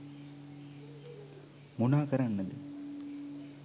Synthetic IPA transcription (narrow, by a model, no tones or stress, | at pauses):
munaːkɐɾɐnːɐd̪ɨ̰